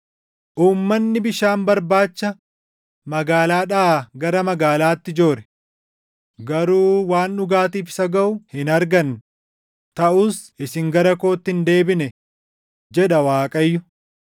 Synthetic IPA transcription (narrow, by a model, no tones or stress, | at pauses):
ʔuːmːɐnːɪbɪʃaːnbɐɾbaːt͡ʃːɐ | mɐɡaːlaːᶑaːɡɐɾɐmɐɡaːlaːt̪ːɪd͡ʒoːɾɛ̥ | ɡɐɾuːwaːnɗʊɡaːt̪iːfɪ̥sɐɡɐʔʊhɪnɐɾɡɐn | t̪ɐʔʊsɪsɪŋɡɐɾɐkoːt̪ːɪɪnd̪e̞ːbɪnɛ | d͡ʒɛᶑɐwaːkʼɐjːʊ